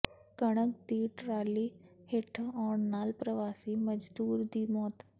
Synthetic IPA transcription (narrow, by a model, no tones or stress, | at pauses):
kəɽ̃ək̚d̪iːʈɾaliːheʈʰəɔɳnaːlpɾəʋasiːməd͡ʒd̪uːɾd̪imɔt̪